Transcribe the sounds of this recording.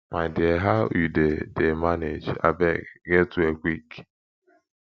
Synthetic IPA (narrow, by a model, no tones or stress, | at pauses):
maɪdɪeɦaidedemaned͡ʒa̰bɛɡetuekʷik